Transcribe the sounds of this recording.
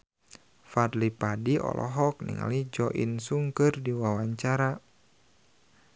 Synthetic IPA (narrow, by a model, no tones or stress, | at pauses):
fadlipadiɔ̰lʔɔ̰ɦɔk̚nḭŋa̰lid͡ʒɔʔḭnsuŋkɨrdiwawaɲt͡ʃaɾa